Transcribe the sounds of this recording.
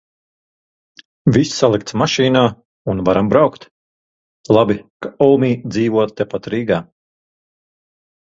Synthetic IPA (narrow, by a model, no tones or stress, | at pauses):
vissalˠikt̪smaʃiːnaː | unvaɾambɾawkt̪ | lˠabikaɔmiːd̪ziːvuɔt̪t̪ɛpat̪ɾiːɡaː